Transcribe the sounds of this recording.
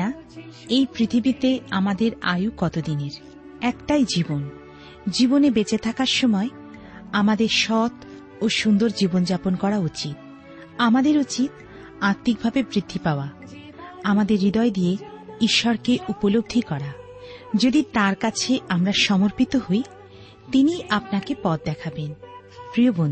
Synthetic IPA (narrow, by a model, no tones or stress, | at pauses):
a | ejpɾit̪ʰibit̪eamad̪eɾa̰jukɔt̪od̪ineɾ | ɛkʈajd͡ʑibon | d͡ʑibonebet͡ɕet̪ʰakaɾʃɔmɔe | amad̪eɾʃɔt̪ | oʃund̪oɾd͡ʑibond͡ʑaponkɔɾaut͡ɕit̪̚ | amad̪eɾut͡ɕit̪ | aɾt̪ːik̚bʱabebɾid̪ʱːipaoa | amad̪eɾːid̪ɔed̪ijeiʃːɔɾkeʔupolob̚d̪ʱikɔɾa | d͡ʑod̪it̪aɾkat͡ɕʰeamɾaʃɔmoɾpit̪ohoj | t̪iniʔapnakepɔt̪̚d̪ɛkʰaben | pɾijobon